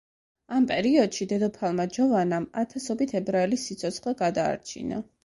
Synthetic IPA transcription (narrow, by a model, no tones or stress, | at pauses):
ampʼɛɾiɔd̪̥ʃid̪ɛd̪ɔpʰalˠmad͡ʒɔvanamat̪ʰasɔbit̪ʰɛbɾaɛlisːit̪sʰɔt̪sʰχlɛɡad̪a̰ːɾt͡ʃʰḭna̰